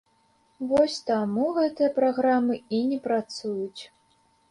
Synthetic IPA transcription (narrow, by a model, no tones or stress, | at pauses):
vɔsʲt̪amuɣɛt̪ɨjɐpɾaɣɾamɨinʲɛpɾat̪sujut͡sʲ